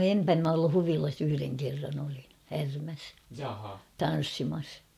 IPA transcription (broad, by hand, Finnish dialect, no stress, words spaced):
empæ m olːu huʋilɑs yhyreŋ kerːɑn olin̞ hærmæs tɑn̞sːimɑs